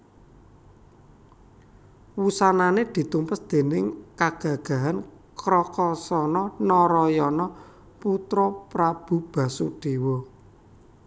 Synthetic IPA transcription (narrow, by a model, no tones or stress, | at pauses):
wusananed̪̥i̤t̪umpəsd̪̥e̤nɪŋkaɡ̥ä̤ɡ̥a̤ɦan | kɾɔkɔsɔnɔnɔɾɔjɔnɔ | put̪ɾɔpɾab̥ṳb̥ä̤suɖ̥e̤wɔ